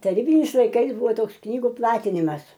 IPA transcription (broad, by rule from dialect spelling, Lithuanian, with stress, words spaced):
tɐˈrʲiːbʲɪnʲɪs lˠɐɪˈkɐɪs ˈbʊʋoː ˈtoːks ˈknʲiːɡʊ ˈplˠɑːtʲɪnʲɪmɐs